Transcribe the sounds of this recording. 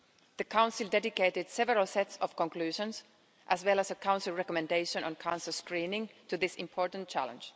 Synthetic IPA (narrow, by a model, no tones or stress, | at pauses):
ð̥ɨkʰãʊ̃nsɪlˠdɛdɪkeɪtɪd̥sɛvəɹəlˠsɛtsɔv̥kɔ̃nklʉːʒə̃ns | ʔæzwɛlˠəsəkʰãʊ̃nsɪlˠɹɛkɔmɛ̃ndeɪʃə̃nə̰̃nkʰãnsəlˠskɹĩːnɪ̃ŋtɨðɪsɪ̃mpʰɔɹtn̩t͡ʃʰæ̰lə̰̃nd͡ʒ